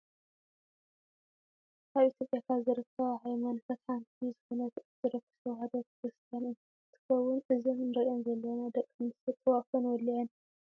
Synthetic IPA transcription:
kʰaβʔit̪ʰjopʼjakʰazɨɾɨt̪ʰːɐwʕajomɐnfɐt̪ħant̪ʰizɨxonɐt̪ʰzɨɾɐkʰːɨ̥sɐwhad̪ɐt̪ʰɡɨst̪ʰɐnɨ | t̪ʰɨ̥xɐwːʊnʔɨzɨnɨnɾɐʔonzɐlːɐnad̪ɐkʼːmɨnsɐt̪ʼːɐwafonwɔlːiɐn

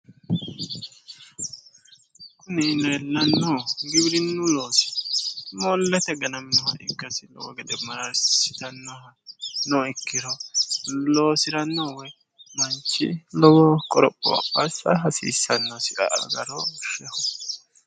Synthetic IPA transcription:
kʊnɪnɛːlːɐnːɔɡɪbɪɾɪnːʊloːsɪ̥mɔlːɛt̪ɛɡɐnɐmɪnɔhɐʔɪ̰kːɐsɪlɔ̰wɔ̰ɡɛd̪ɛmɐɾɐɾssɪ̥t̪ɐnːɔhɐnɔɪkːɪɾɔ | lo̞ːsɪɾɐnːɔwɛ | mɐnt͡ʃːɪ̰lɔwɔkʼɔɾɔpʼːɔ̰ɐ̰pːɐsːɐɦɐsḭːsːɐnːɔsɪʔɐ̰ʔɐ̰ɡɐɾɔʃɛhɔ

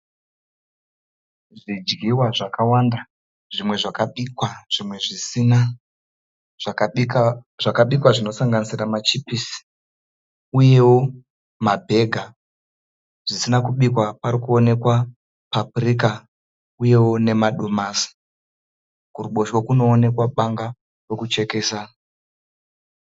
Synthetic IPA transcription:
ʐid͡ʒɡiwaʐakawanda | ʐimwe̞ʐakaɓikwaʐ̥imwe̞ʐisina | ʐak | ʐakaɓikwaʐino̞saŋɡanisiramat͡ʃipisi̥ | uje̞wo | mabʱe̞ɡʱa | ʐ̥isinakuɓikwapaɾikuo̞ne̞kwa | papurika | uje̞wo̞ne̞maɗomaːsi̥ | kuruɓo̞ʃwokuno̞ːne̞kwaɓaŋɡa | re̞kut͡ʃe̞ke̞ːsa

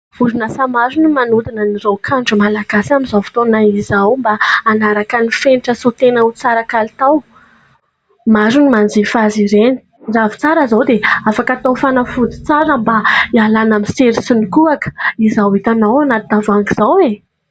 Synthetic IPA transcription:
vuɾinəsamaɾunimanud̪inənirowkʰaɳɖ͡ʐumalaɡasamizavi̥t̪onaizawmbaːnaɾakənifeniʈ͡ʂəsut̪enəut͡saɾəkalit̪aw | mazunimand͡zefaziɾeni̥ | ɳɖ͡ʐavi̥t͡saɾəzawd̪eafakat̪ofanafud͡z̪i̥t͡saɾəmbaialanamiseɾisunikuakə̥izawit̪anawanat̪id̪avaŋɡiz̥awe

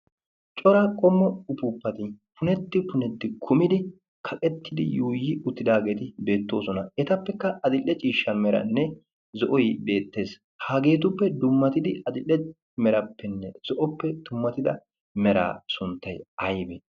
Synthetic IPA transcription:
t͡ʃʼɔɾakʼɔmːɔʊpupːɐt̪ɪpʊnɛt̪ːɪpʊnɛt̪ːɪkʰʊmɪd̪ɪ | kʰɐkʼɛt̪ːɪd̪ɪ̰juːjɪʔʊt̪ːɪd̪aːɡe̞ːt̪ɪbe̞ːt̪ːo̞ːsɔnɐɛt̪ɐpːɛkːɐʔɐd̪ɪlːɛt͡ʃʼiːʃːɐmɛɾɐ̰nːɛ | zɔʔɔjbe̞ːt̪ːe̞ːs | haːɡe̞ːt̪ʊpːɛd̪ʊmːɐt̪ɪd̪ɪɐd̪ɪlːɛ | mɛɾɐpːɛnːɛz̥ɔʔɔpːɛd̪ʊmːɐt̪ɪd̪ɐ̰ | mɛɾa̰ːsʊnt̪ːɐjɐjbe

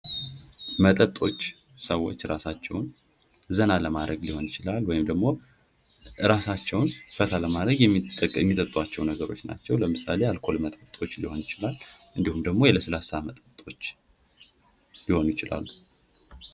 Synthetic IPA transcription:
mət̪ʼət̪ʼo̞t͡ʃː | səwːo̞̰t͡ʃːɾasat͡ʃːɛ̰wn | zənaləmad̪ɾəɡliho̞njɪt͡ʃɪlalːwɔjɪmd̪əɡmo̞ | ɨɾasat͡ʃːɛwnfət̪ʰaləmad̪ɾəɡjɛmːiəkʼːjɛmːit̪ʼət̪ʼwat͡ʃːɛwnəɡəɾo̞̰t͡ʃːna̰t͡ʃːɛwləmɨsalealkʰo̞lmət̪ʼət̪ʼo̞t͡ʃːliho̞njɪt͡ʃɪlalʔɨnd̪ihumd̪əɡmo̞jɛləsəlasamət̪ʼət̪ʼo̞t͡ʃː | liho̞njɪt͡ʃɪla̰lːu

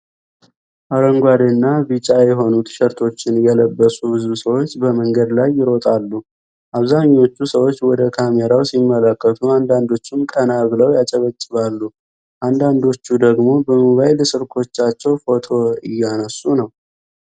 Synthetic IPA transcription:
ʔaɾəŋɡʷad̪nːabɨt͡ʃʼajɛɦo̞nut̪ʰʃɛɾt̪ʰo̞t͡ʃːɪnjɛləbːəsʼubɨzusəwo̞t͡ʃːbəməŋɡəd̪lajːɪɾo̞t̪ʼalːu | ʔaβzaɲːo̞t͡ʃːusəwo̞t͡ʃːwɔd̪əkʰameɾawsimːələkːət̪ʰuand̪and̪o̞t͡ʃːumkʼənaβləwjat͡ʃʼəβət͡ʃʼːɨβalːu | ʔand̪and̪o̞t͡ʃːud̪əɡmo̞bəmuβajləsɨɾkʰo̞t͡ʃːat͡ʃːɛwfo̞t̪ʰo̞ɨjːanəsːunəw

